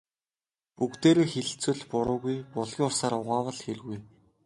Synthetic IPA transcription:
pukt̪eːɾoːxeɮ̆ɬt͡swɘ̆ɮpʊɾʊːɣujpʊɮɣʲiŋʊsaːɾʊʁaːwə̆ɮxerɣuj

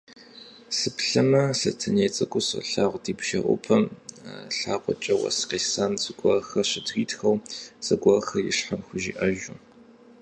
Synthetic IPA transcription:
sɨpɬɐmɐsɐtʰɐneːt͡sʼɐkʷʼʊsɐ̰ɬaːʁʷdiːpʃɐʔʷʊ̰pʰɐmɬaːqʷɔt͡ʃʼɐwɐ̰sqeːsaːnt͡sʼɨɡʷɐxɐɕɪdɣiːtxɐwt͡sʼɐɡʷɐxɐjɪ̰ɕħamxʷʊʒḭːʔɐʒʊ

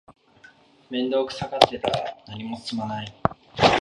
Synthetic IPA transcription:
mẽ̞nd̪o̞ːkɯ̟̥sakaset̪aɾa̰naɲ̟imo̞sɨ̥sɨmanai

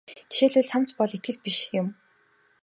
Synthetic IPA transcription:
t̪ʰi̥ʃeːɮʊːɮt͡sʰam̥t͡spɔɮit̪̚ɡɘ̆ɮ̚piʃjʊm

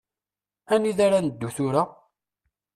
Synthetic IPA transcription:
æniðaɾanəd̪ːuθuɾa

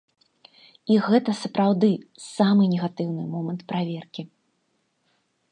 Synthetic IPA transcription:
iɣɛt̪ɐsɐpɾawd̪ɨsamɨnʲɛɣat̪ɨwnɨmɔmɐnt̪pɾavʲɛrkʲi

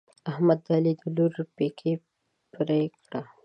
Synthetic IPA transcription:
ahmad̪ːɑːlid̪uluɾpekʰe | pɾekɽa

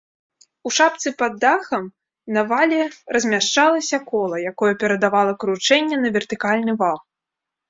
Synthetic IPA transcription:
uʂapt̪sɨpɐd̪ːaxɐm | nɐvalʲɛrɐzʲmʲaʂt͡ʂalˠɐsʲɐkɔlˠɐjakɔjɛpʲɛɾɐd̪avalˠɐkɾut͡ʂɛnʲːɛnɐvʲɛrt̪ɨkalʲnɨvalˠ

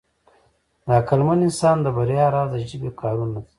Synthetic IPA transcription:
d̪aakalmanɪnsɑːnd̪əbaɾjɑːɾaːzaʒibekʰɑːɾunat

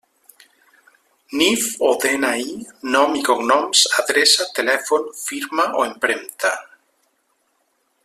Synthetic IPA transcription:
nifoðenainɔmikoɡnɔ̃msaðɾesat̪elefonfiɾmaʔoempɾẽnt̪a

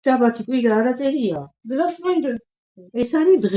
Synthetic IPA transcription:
ʃabat̪ʰikʼwiɾaːɾat̪ʼɛɾiadɾasmɛnd̪ɛɾ | ɛsaɾid̪ʁ

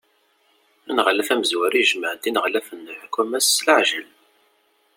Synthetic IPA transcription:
ænʁlːæfæməzwæɾiʒməʕd̪inəʁlæfənːħkːumæsːləʕʒəl

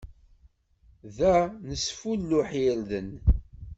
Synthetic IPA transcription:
ðænəsfulːuħjælðən

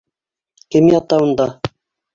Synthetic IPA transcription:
kɘmjɑt̪ɑund̪ɑ

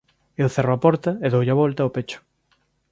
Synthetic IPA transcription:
ewθeroɐpɔɾt̪ɐeðowʎaβɔlt̪ɐopet͡ʃʊ̥

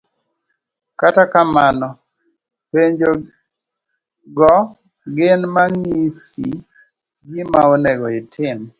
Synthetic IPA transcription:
katakamanɔ | peɲd͡ʒo | ɡɔ | ɡɪnmaŋisi | ɡimaonɛɡɔɪtʰɪn

